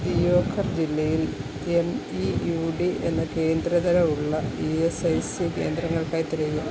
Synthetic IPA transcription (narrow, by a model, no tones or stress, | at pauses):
d̪ijoːkʰːɐrd͡ʑilːɐjil | e̞mijuːɖie̞̰nːɐke̞ːnd̪ɾɐðɐɾɐuɭːɐiesɐjsike̞̰ːnd̪ɾɐŋːɐɭkaːjt̪ːiɾɐju